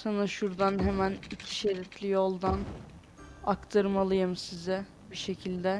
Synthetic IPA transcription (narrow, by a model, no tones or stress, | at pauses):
sanaʃuɾd̪anɦemænicʰi̥ʃeɾɛt̪ʰlʲijolˠd̪an | akt̪ʰaɾmalˠɯjɯmsizɛ | biʃe̞cʰilʲd̪ɛ